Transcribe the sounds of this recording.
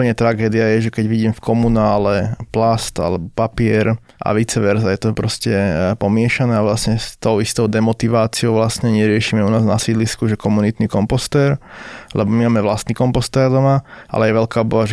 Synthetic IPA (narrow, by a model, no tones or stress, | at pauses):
ɲɛt̪ɾaɡɛːd̪ɪajɛʒɛkɛɟʋiɟiːmfkɔmunaːlɛplast̪a̰lɛbɔpapɪɛɾ | ʔa̰ʋit͡sɛʋɛɾzajɛt̪ɔpɾɔscɛpɔmɪɛʃanɛːaʋlasɲɛst̪ɔʊist̪ɔʊd̪ɛmɔt̪iʋaːt͡siɔʊʋlasɲɛɲɛɾɪɛʃiːmɛunaːznasiːd̪liskuʒɛkɔmunit̪nikɔmpɔst̪ɛːɾlɛbɔmimaːmɛʋlast̪niːkɔmpɔst̪ɛːɾd̪ɔmaʔa̰lɛjɛʋɛlkaːbɔaʒɛ